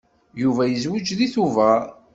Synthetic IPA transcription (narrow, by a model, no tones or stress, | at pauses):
juvæjəzwəd͡ʒðiθuvæ